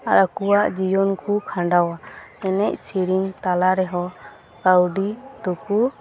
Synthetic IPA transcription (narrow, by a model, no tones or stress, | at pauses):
aɾakuwaʔd͡ʒijɔnkʰukʰãɳɖawaɛnɛc̚siɽint̪alaɾɛɦɔ | kawɖit̪uku